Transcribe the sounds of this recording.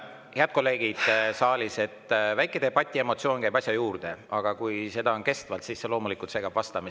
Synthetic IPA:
heɑd̪̥̚ko̞lːe̞ːɡ̥id̪̥sɑːlʲise̞t̪ːvæjkːˑe̞d̪eb̥ɑt̪ʲːˑie̞mo̞t̪sio̞ːnkæjbɑsʲjɑjuːrd̪̥e̞ɑɡ̥ɑkujse̞d̪̥ɑo̞nke̞st̪vɑlt̪sisːe̞lo̞ːmulikˑult̪se̞kɑb̥vɑst̪ɑmis

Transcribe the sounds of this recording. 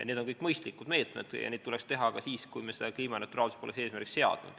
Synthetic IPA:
jɑ̰ned̪onkɤjkːˑmɤjst̪likːud̪me̞ːt̪ˑmḛd̪̥jɑ̰neːd̪t̪ule̞kst̪e̞ɦɑkɑsiːskujmesed̪ɑkliːmɑnɑt̪ːˑuɾɑːlsu̥spoleseːsmærkikse̞ɑ̰d̪̥nṵd̪̥

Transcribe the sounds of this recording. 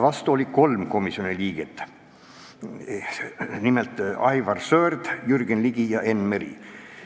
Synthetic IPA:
vɑst̪uolʲiko̞lmko̞misio̞niliːɡ̥et̪ːˑ | nimelt̪ːˑɑjvɑrsøːrd̪̥jyrɡ̥enliɡ̥ijɑʔe̞nmeɾḭ

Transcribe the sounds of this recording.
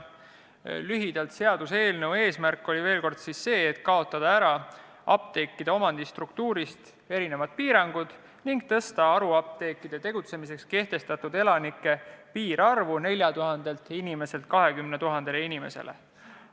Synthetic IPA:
lyɦid̪̥ɑlt̪se̞ɑd̪̥use̞ːlnewe̞ːsmærkːo̞lʲive̞ːlko̞rd̪̥sisːe̞ːet̪kɑo̞t̪ˑːɑd̪ɑæɾɑ | ɑ̰p̚t̪e̞kːid̪̥ɑo̞mɑnd̪ist̪rukt̪uːɾist̪ | e̞ɾine̞vɑt̪̚piːɾɑŋɡ̥ud̪̥ | niŋɡ̚t̪ɤ̞st̪ɑɑɾuɑp̚t̪e̞kːˑid̪̥e̞t̪e̞ɡ̥ut̪se̞mis̬e̞kske̞ht̪e̞st̪ɑt̪ud̪e̞lɑnikːˑe̞piːɾɑrvune̞lʲjɑt̪uɦɑnd̪̥e̞lt̪inime̞se̞lt̪̚kɑɦe̞kymnet̪uɦɑnd̪̥e̞leinime̞̰se̞̰lʔḛ

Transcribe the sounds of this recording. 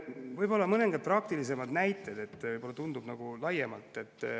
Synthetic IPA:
vɤjbo̞lːɑmɤneŋɡ̥ɑd̪̚prɑk̚t̪ilis̬e̞mɑd̪næjt̪ːˑe̞d̪̥e̞t̪ːˑvɤjb̥o̞lːɑt̪und̪ub̥nɑɡ̥ulɑjemɑ̰lt̪ːˑe̞t̪ˑː

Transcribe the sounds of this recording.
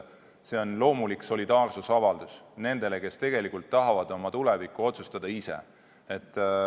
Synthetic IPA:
se̞o̞nlo̞ːmulikso̞lʲid̪ɑːrsusɑvɑld̪usne̞nd̪̥e̞leke̞st̪e̞ɡe̞likult̪ːɑɦɑvɑd̪̥o̞mɑt̪ulevikːˑuo̞t̪sust̪ɑd̪̥ɑisḛ | et̪ˑː

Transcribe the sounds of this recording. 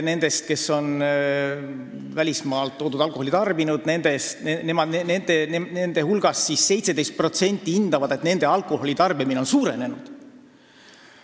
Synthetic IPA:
ne̞nd̪̥e̞st̪̚ke̞sːo̞n | vælʲismɑːlt̪ːo̞ːd̪ud̪̥ɑlkˑoholʲit̪ɑrbinud̪̥ne̞nd̪̥est̪nemɑnenend̪enenend̪e̞hulɡ̥ɑsːisse̞jt̪se̥e̞jst̪̚pro̞t̪se̞nʲt̪ːˑiind̪̥ɑvɑd̪̥e̞t̪ne̞nd̪̥e̞ɑlkˑo̞ho̞lʲit̪ɑrbimine̞o̞nsuːɾe̞ne̞nud̪̥

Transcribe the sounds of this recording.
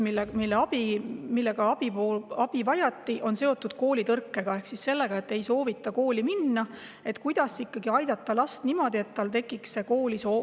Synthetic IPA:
ilmilːeɑb̥imilːe̞ɡ̥ɑɑb̥ioɑb̥ivɑjɑt̪ːiʔo̞nse̞o̞t̪ːˑud̪̥̚ko̞ːlit̪ɤrkːe̞ɡ̥ɑe̞hksisse̞lːe̞ɡ̥ɑe̞t̪ːˑe̞jso̞ːvit̪ˑːɑko̞ːliminːɑ | e̞t̪kujd̪̥ɑsikːɑɡiɑjd̪̥ɑt̪ːɑlɑst̪nimo̞d̪̥ie̞t̪ːɑlt̪e̞kːˑiksːe̞ko̞ːliso̞ː

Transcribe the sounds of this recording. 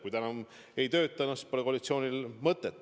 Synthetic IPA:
kujt̪ænɑm | e̞jt̪ø̞ːt̪ːˑɑnusprekolit̪sio̞ːnʲilmɤt̪ːˑet̪ːˑ

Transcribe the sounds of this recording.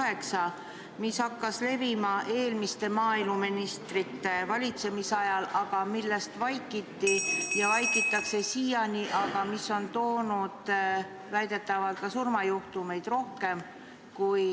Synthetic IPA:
he̞ksɑ | mishɑkˑːɑsle̞vimɑʔe̞ːlmist̪e̞mɑːilmuminist̪rit̪ːˑe̞vɑlʲit̪se̞misɑjɑlɑɡ̥ɑmilːe̞st̪vɑjkːˑit̪ːijɑvɑjkˑit̪ːˑɑkse̞siːjɑniʔɑɡ̥ɑmisːo̞nt̪o̞ːnud̪̥ | væjd̪e̞t̪ːˑɑvɑlt̪̚kɑsurmɑjuht̪ume̞jd̪̥ro̞hke̞m | kuj

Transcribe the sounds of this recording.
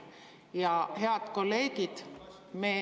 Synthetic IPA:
jɑɦe̞ɑd̪̥ko̞lːe̞ːɡ̥id̪̥ | meː

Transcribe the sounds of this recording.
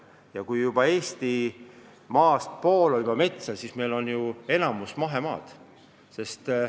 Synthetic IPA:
jɑkujjub̥ɑe̞ːst̪i | mɑːst̪̚po̞ːlolb̥ɑme̞t̪sɑsisme̞jlo̞njue̞nɑmusmɑɦe̞mɑːd̪̥ | se̞st̪

